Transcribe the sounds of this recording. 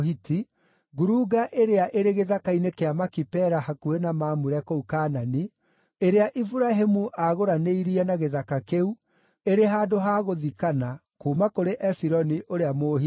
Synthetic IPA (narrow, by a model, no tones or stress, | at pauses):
hiti | ɣuɾuɡaʔeɾeaʔeɾeɣeðakainekeamakipɛɾahakuenamaːmuɾɛkoukaːnani | eɾeaʔifuɾaɦemuʔaɣoɾaneiɾiɛnaɣeðakakeu | eɾeɦaːdoɦaːɣoðikana | koːmakoɾeʔɛfiɾɔniʔoɾeamohi